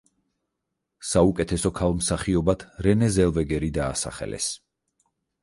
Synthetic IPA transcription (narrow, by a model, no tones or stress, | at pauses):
saukʼɛt̪ʰɛsɔkʰalˠmsaχiɔbat̪ʰɾɛnɛzɛlˠvɛɡɛɾid̪aːsa̰χɛ̰lɛ̰s